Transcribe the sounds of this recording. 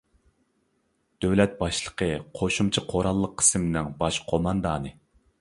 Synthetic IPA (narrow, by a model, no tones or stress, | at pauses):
d̪̥øwlɛt̪̚bɑʃlˠə̥qʰəqʰoʃumt͡ʃʰɑqʰoɾɑlˠːəqʰːə̥smnɪŋbɑʃqʰomɑnd̪ɑːnɨ